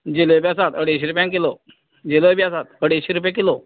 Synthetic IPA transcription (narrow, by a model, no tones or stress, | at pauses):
d͡ʑelobjasat̪əɽiɕ̬iːɾupjãŋkelo | d͡ʑeloebjasat̪əɽiɕiɾup̬jãkilo